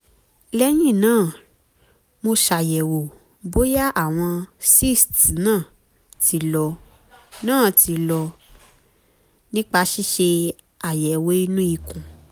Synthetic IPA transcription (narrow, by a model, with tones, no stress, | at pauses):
lɛ˦j̃ĩ˦˨nãː˦˨ | mo˧ʃa˨jɛ˨wo˨ | bo˦ja˦ʔa˦˨w̃ɔ̃˧si˦stnãː˦˨ | ti˨˧lɔ˧ | nãː˦˨tʰi˧lɔ˧ | nĩ˦k͡pa˧ʃi˦ʃe˧ | a˨jɛ˨we˦i˧nũ˦i˧kũ˨